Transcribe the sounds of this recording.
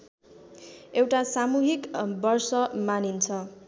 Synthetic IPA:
ewʈasamuɦikbʌrsʌmanint͡sʰʌ

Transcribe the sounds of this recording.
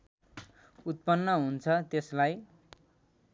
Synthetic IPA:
ut̪̚pʌnːʌɦunt͡sʰʌt̪eslaj

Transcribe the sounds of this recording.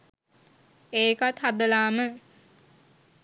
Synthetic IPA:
eːkat̪had̪əlaːmə

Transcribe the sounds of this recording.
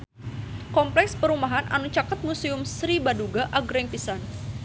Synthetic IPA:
kɔmplɛkspəɾumaɦana̰nut͡ʃakat̪̚musiʊmsɾibaduɡaʔaɡɾɛŋpisan

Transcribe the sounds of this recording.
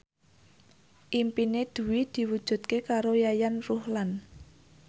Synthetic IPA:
ʔimpined̪̥ṳwid̪̥i̤wud̥ʒ̥ṳt̪̚kekaɾojajanruhlan

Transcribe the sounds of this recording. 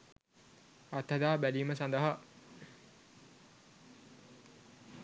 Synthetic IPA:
at̪hɐd̪aːbæliːməsãnd̪əɦa

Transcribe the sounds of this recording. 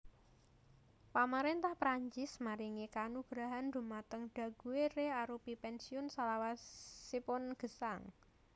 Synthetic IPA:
pamaɾent̪ahpɾaɲt͡ʃɪsmaɾiŋekanuɡ̥ɾaɦand̪̥ṳmat̪əŋɖ̥ä̤ɡ̥uwereaɾupipɛnsiʊnsalawasipʊnɡ̥ə̤saŋ

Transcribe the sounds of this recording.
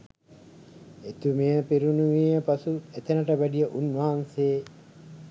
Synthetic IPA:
et̪umejəpiɾunuʋiəpasuet̪enəʈəʋæɖijəʔunʋaɦanseː

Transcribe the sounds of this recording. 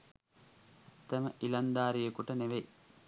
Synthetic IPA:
t̪ɐməʔilɐnd̪aːɾijɐkuʈəneʋe

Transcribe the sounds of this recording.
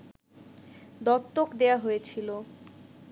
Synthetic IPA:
d̪ɔt̪ːokd̪eaɦojet͡ɕʰilo

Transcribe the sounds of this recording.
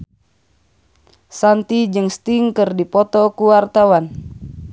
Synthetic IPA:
sant̪id͡ʒɨŋst̪iŋkɨrdipɔt̪ɔkuwart̪awan

